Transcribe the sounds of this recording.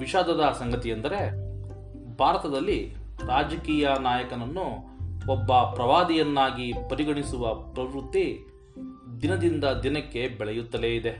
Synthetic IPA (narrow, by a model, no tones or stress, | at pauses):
ʋiʃaːd̪ʱɐd̪ɐsɐŋɡɐt̪iɐnd̪ɐɾe̞ | bʱaːɾɐt̪ɐd̪ɐlːi | ɾaːd͡ʒɐkiːjɐnaːjɐkɐnɐnːu | ɔbːɐpɾɐʋaːd̪ijɐnːaːɡipɐɾiɡɐɳisuʋɐpɾɐʋɾut̪ːi | d̪inɐd̪ind̪ɐd̪inɐkːe̞bɛɭɛjut̪ːɐle̞ːid̪e̞